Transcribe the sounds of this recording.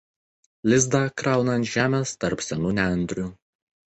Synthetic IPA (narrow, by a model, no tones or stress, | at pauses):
lʲɪzd̪ɑˑkɾɑˑʊnɐnt̪ʲʒʲæːmʲeːst̪ɐɾpsʲɛnuːnʲænʲd̪ʲɾʲuː